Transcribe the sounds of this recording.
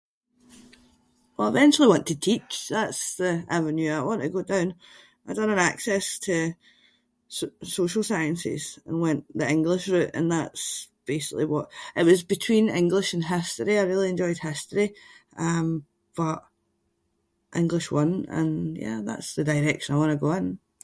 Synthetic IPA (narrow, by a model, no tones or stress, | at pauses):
wɛlˠaɪvɛ̃nt͡ʃʉl̩ˠiwɔ̃ntʰətʰit͡ʃðatsðia̰və̃njʉaɪwɔ̃nʔəɡodãʊ̃n | aɪdʌ̃nə̃naksɛstʰə | soʃl̩ˠsaɪə̃nsɪ̰z̥ə̃nwɛ̃nʔðiɪ̃ŋɡlˠɪʃɹʉʔə̰̃nðatsb̥esɪklˠiwʌʔʔɪʔwɒzbɪtʰw̥ĩnɪ̃ŋɡlˠɪʃə̃nɦɪstəɹiaɪɹilˠiɛ̃nd͡ʒɔɪd̥̚hɪstəɹiʔʌ̃m | b̥ʌʔ | ʔɪ̃ŋɡlˠɪʃwʌ̃nə̰̃njæ̰ða̰tsðədaɪɹɛkʃə̃naɪwɔ̃nəɡoə̃n